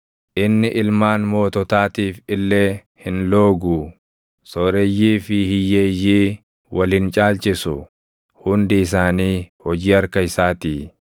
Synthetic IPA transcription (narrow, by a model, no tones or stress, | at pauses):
ʔɪnːɪʔɪlmaːnmo̞ːt̪ɔt̪aːt̪iːfɪlːeː | hɪnlo̞ːɡʊ | sɔːɾɛjːiːfɪhɪjeːjːiː | wɐlɪnt͡ʃʼaːlt͡ʃʼɪsʊ | hʊnd̪ɪɪs̬aːniːhɔd͡ʒiːɐɾkɐɪsaːt̪iː